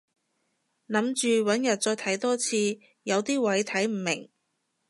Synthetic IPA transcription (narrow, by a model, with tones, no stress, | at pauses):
nɐ˨˥mt͡ʃyː˨wɐ˨˥njɐ˨t̚t͡ʃɔː˧jt̪ʰɐ˨˥jt̪ɔː˥t͡sʰiː˧ | jɐ˨˧wt̪iː˥wɐ˨˥jt̪ʰɐ˨˥jm̩˨˩mɪ˨˩ŋ